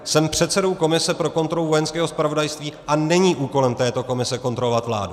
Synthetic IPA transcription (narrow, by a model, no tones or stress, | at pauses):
sɛmpr̝̥ɛt̪sɛdo̞wko̞mɪsɛpɾo̞ko̞nt̪ɾo̞luvo̞jɛnskɛːɦo̞spɾavo̞dajst̪viːʔanɛɲiːʔuːko̞lɛmt̪ɛːt̪o̞ko̞mɪsɛko̞nt̪ɾo̞lovat̪vla̰ːdu